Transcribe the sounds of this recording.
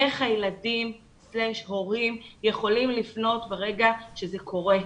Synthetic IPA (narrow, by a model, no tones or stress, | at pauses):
eχhajeladim | sleʃho̞ʁimje̞χo̞limlifno̞tbeʁe̞ɡaʃeze̞kʰo̞ʁe̞